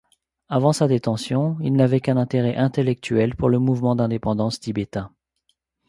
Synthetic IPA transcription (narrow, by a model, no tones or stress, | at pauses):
avɑ̃sad̪et̪ɑ̃sjɔ̃ilnavɛkɛ̃nɛ̃t̪eʁɛʔɛ̃t̪elɛk̚t̪ɥɛlpuʁləmuvmɑ̃d̪ɛ̃d̪epɑ̃d̪ɑ̃st̪ibet̪ɛ̃